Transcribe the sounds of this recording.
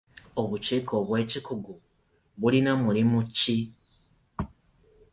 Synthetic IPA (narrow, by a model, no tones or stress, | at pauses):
o̞βut͡ʃiːkʰo̞βwe̞ːcikuɡu | βulinamulimuci